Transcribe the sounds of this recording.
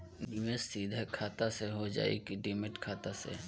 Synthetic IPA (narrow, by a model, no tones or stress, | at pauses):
nimesiːd̪ʱəkʰaːt̪aseɦod͡ʒa̰ːḛkiɖimɪʈkʰaːt̪asḛ